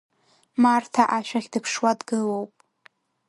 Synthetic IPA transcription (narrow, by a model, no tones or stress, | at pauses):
martʰaʔaʃᶣaχʲdɨpʰʂwadɡɨlowpʼ